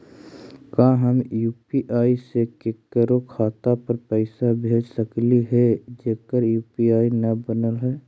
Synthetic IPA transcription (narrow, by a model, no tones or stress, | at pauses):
kãːɦəmjuːpiʔaːisekekəɾokʰaːt̪apəɾpəɪsabʱeːd͡ʒsəkliɦɛd͡ʒeːkəɾjuːpiaːinəbənəlɦɛː